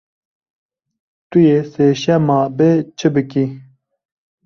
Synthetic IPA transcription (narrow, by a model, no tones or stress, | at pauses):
t̪ujeːseːɕamaːbeːt͡ɕʰəbəki